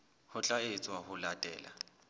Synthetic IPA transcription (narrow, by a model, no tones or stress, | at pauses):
hʊt͡ɬʼaet͡sʼwahʊlatʼɛ̰ːla̰